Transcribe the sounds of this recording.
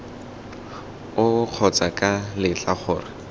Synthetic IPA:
ʊq͡χʰɔt͡sakʼalɪt͡ɬaχʊːrɪ

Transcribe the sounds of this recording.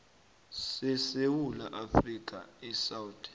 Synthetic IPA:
sɛsewula̰ʔafrik̬ʼa̰ɛsawutʼɛ̥

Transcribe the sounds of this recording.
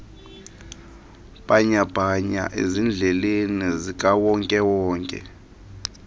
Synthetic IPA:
ɓaɲab̥ʱaɲa̰ʔḛzind͡ɮʱɛlenizikʼawɔŋkʼɛwɔːŋkʼɛ̰

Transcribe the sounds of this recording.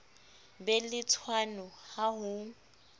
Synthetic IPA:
bɛlɪt͡sʰwanʊhaɦʊ

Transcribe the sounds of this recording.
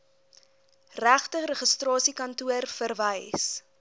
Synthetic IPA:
ræχtəɾəχəstrɑːsikɐntuərfərvəjs

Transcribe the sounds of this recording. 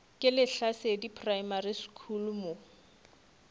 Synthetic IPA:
kʼɪlɪɬasedipʰrajmariskʰulmo

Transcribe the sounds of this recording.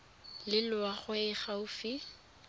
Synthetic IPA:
lɪlʊaχwɪχaʊfi

